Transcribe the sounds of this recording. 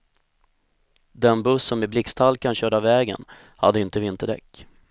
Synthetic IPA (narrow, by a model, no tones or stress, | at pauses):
d̪ɛnbɵsːɔmɪblɪkst̪ʰalkanɕœːɖavɛːɡə̰n | ha̰d̪ːəɪnt̪əvɪnt̪əɖɛ̰kː